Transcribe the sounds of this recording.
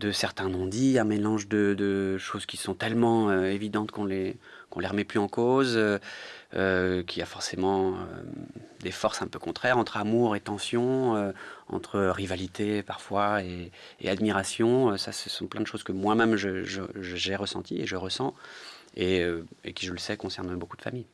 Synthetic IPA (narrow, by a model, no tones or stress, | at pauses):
d̪əsɛʁt̪ɛ̃nɔ̃d̪iɛ̃melɑ̃ʒd̪əd̪əʃozkʲisɔ̃t̪ɛlmɑ̃øevid̪ɑ̃t̪kɔ̃le | kɔ̃leʁəmɛplyɑ̃kozøøkʲiafɔʁsemɑ̃ø̰d̪efɔʁsɛ̃pøkɔ̃t̪χɛʁɑ̃t̪χamuʁet̪ɑ̃sjɔ̃øɑ̰̃t̪χəʁivalit̪ʰepaʁfwae | ḛad̪miʁasjɔ̃sasəsɔ̃plɛ̃nd̪əʃozkəmwamɛmʒəʒəʒəʒeʁəsɑ̰̃t̪iḛʒəʁəsɑ̃ | eøḛkʲiʒələsɛkɔ̃sɛʁnbokud̪əfa̰mij